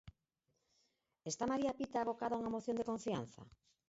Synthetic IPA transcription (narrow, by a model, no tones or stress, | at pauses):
est̪amaɾiapit̪aːβokaðauŋamoθjond̪ekoɱfia̰n̟θa̰